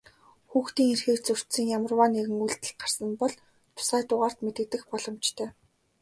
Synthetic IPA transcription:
xuːxt̪iːŋerxeːkt͡sɵr̥t̪sĭŋjamə̆rwaːneɣɘ̆ŋujɮt̪ɘ̆ɮɢar̥sə̆npɔɮ | t̪ʰʊ̥saːjt̪ʊːʁaːr̥t̪met̪ɘ̆t̪ɘ̆xpɔɮɞ̆mt͡ɕt̪ʰœː

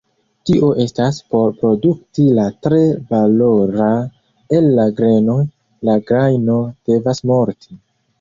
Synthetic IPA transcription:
tiʔo̞ʔe̞staspo̞ɾpɾo̞duk̚tilatɾe̞valo̞ɾa | elːaɡɾe̞no̞j | laɡɾajno̞d̥e̞vasmo̞ɾti

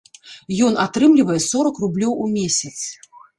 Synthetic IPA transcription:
jɔnat̪ɾɨmlʲivɐjɛsɔɾɐkrublʲɔwumʲesʲɐt̪s

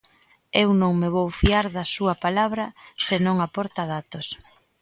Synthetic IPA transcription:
ewnõŋmeβowfiaɾðɐsuɐpalaβɾɐsenõŋapɔɾt̪að̞at̪os

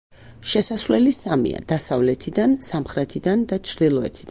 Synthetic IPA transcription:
ʃɛsasvlɛlisamḭa̰d̪̥asavlɛt̪ʰid̪ansamχɾɛt̪ʰid̪and̪at͡ʃʰɾd̪ilˠɔɛ̰t̪ʰid̪̥

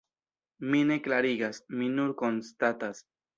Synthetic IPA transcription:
mine̞klaɾiɡasminuɾko̞nst̪atas

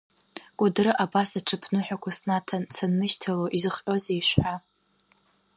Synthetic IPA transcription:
kʷʼadɾɨʔabasaʈ͡ʂʰɨpʰnɨħʷᶣakʷʰasnatʰansanːɨʃtʰaloʔizɨχʼʲozejʃʷᶣħa

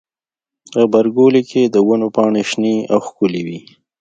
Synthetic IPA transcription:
əbaɾɡolikʰed̪əwanopɑɳeʃniawxkʊliwi

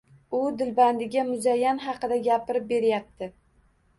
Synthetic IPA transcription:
ʊd̪ɪlband̪ɪɡʲamʊzajːanɦɑqɨd̪aɡʲapɪɾɪp̚be̞ɾjap̚t̪ʰɪ

